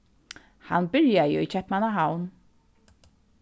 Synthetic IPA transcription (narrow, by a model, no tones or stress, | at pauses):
hanbɪɹjajəit͡ʃʰɛhpmanaɦawn